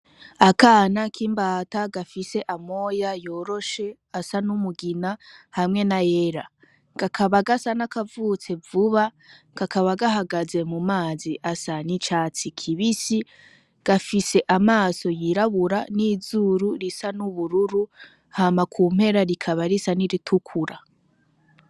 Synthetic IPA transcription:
akaːnakʰimbaːtaɡafise̞ʔamo̞ːjajo̞ːɾo̞ʃe̞ | asanumuɡinahamŋe̞najeɾa | ɡ̥akʰaβaɡasanakavut͡se̞vuβa | ɡ̥akaβaɡaɦaɡaze̞mumaːziʔasanit͡ʃat͡sikʰiβisi | ɡ̥afise̞ʔamaːso̞jiɾaβuɾanizuɾuɾisanuβuɾuɾu | hamakʰuːm̥he̞ɾaɾikʰaβaɾisaniɾitʰukʰuɾa

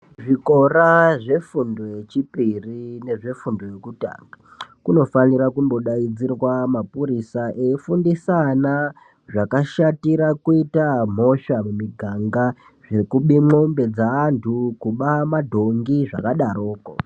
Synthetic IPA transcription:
ʐiko̞raʐe̞fundo̞je̞t͡ʃipirine̞ʐe̞fundo̞je̞kuta̰ŋɡa | kuno̞faniɾakumbo̞ɗaid͡zirwamapuɾisaʔeifundisana | ʐakaʃatiɾakuitam̤o̞ʃamumiɡʱaŋɡa | ʐe̞kuɓimo̞mbe̞d͡zaːntʰukuɓamadʱo̞ŋɡiʐa̰kaɗaɾo̞ːko̰

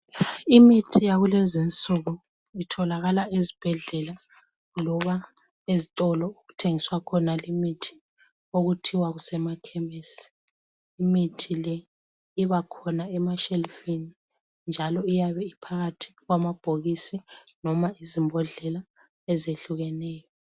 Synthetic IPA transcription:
imitʰijaɣulezint͡sʼuɣu | itʰɔlaɣalaʔezib̥ʱɛɮɛla | lɔβa | ezitʼɔlɔuɣutʰeŋiswakʰɔnalimitʰi̥ | oɣutʰiwaɣusɛmakʰɛmesi̥ | imitʰilɛ | iβakʰɔnaɛmaʃelifini | nd͡ʒʱalɔijaβɛipʰaɣatʰi̥ɣwamab̥ʱoɣisinɔmaizimbʱɔɮɛla | ɛzeɬuɣɛnɛːjɔ

